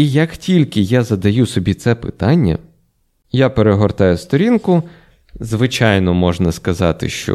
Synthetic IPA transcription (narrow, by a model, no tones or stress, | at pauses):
ijɐktʲilʲkɪjazɐd̪ɐjusɔbʲit̪sɛpɪ̰t̪ɑnʲːɐ̰ | japeɾeɦɔrt̪ɑjʊst̪ɔɾʲinkʊ | zʋɪt͡ʃɑjnɔmɔʒnɐskɐzɑt̪ɪ̰ʃt͡ʃɔ̰